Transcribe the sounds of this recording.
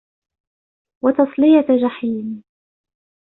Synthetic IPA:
wɑt̪ɑsˤlɪjad͡ʒaħiːn

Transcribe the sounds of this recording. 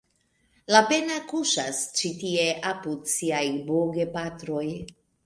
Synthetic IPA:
lape̞nakuʃast͡ʃitie̞ʔapudsiajboɡe̞patɾo̞j

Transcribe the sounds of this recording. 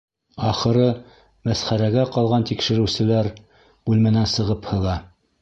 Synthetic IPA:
ɑχɤ̆ɾɤ | mæsχæɾæɡæqɑlˠʁɑnt̪ikʃɘ̆ɾɘ̆wsɘ̆læɾ | ʉlmænænsɤ̆ʁɤphɤ̆lˠɑ

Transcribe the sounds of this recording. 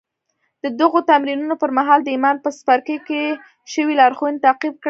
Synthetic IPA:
d̪̥əd̪əɣot̪amɾinunopəɾmaɦɑld̪əimɑnpəspaɾkəke | ʃəwilɑɾxunt̪aqib̚kɽ

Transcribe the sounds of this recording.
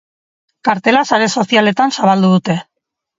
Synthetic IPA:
kaɾt̪e̞lasaɾe̞so̞siale̞t̪ansaβald̪uð̞ut̪e̞

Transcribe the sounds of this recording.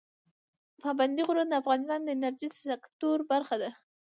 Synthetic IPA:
pɑband̪iɣʊɾand̪əafɣɑnɪst̪ɑnd̪əɪnaɾʒisakt̪oɾbaɾxad̪a

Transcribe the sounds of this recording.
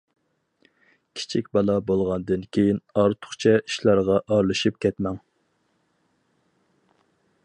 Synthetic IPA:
kʲʰi̥t͡ʃʰikʲbɑlˠɑbolˠʁɑnd̪ɨnkʲʰejinɑɾt̪ʰʊ̥χt͡ʃʰɛi̥ʃlˠɑɾʁɑʔɑɾlˠɨʃip̚kʲʰɛt̪mɛŋ

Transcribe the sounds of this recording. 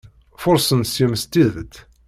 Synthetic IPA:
fʊɾˤsənsjumst̪ːiððət̪

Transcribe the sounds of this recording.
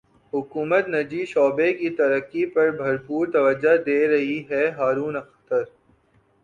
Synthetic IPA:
ɦʊkuːmət̪nɐd͡ʒiːʃɔːbekit̪ɐɾəkːipɐɾbʱɐɾpuːɾt̪ɐʋəd͡ʒad̪eːɾɐɦiɦɛɦaːɾuːnɐxt̪əɾ

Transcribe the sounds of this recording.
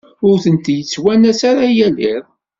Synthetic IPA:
ʊɾθənt̪jət͡sːwænæsaɾajæliɾˤ

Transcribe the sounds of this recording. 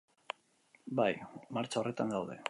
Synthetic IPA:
bajmaɾt͡ʃaore̞t̪aŋɡawðe̞̰

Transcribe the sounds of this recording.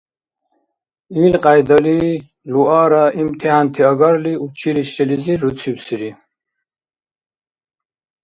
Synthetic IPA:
iːlqʼajd̪ali | luaːɾaimt̪ʰiɦant̪ʰiaɡaɾliut͡ʃʰiliɕɛliziɾut͡sʰiwsiɾi

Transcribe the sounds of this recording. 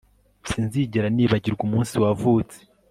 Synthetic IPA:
siːnziɟeɾaniːβaɟiɾɡumuːnsiwavuːt͡se̥

